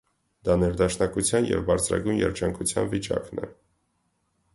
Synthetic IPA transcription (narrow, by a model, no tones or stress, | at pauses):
d̪ɑnɛɾd̪ɑʃnɑkut͡sʰjɑnjɛ̰vbɑɾt͡sʰɾɑ̰ɡujnjɛ̰ɾd͡ʒɑŋkʰut͡sʰjɑnvit͡ʃɑknɛ̰